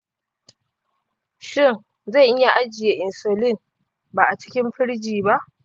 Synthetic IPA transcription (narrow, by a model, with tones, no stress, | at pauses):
ʃɪ˦˨n | za˦˨jʔɪ˦ja˨ʔa˦d͡ʒɪ˨je˨ʔɪ˨nsoː˨lɪ˦˨n | baː˨ʔa˨t͡ʃɪ̥˦kʲɪ˦mɸɪ˦ɽd͡ʒiː˨ba˦ʔ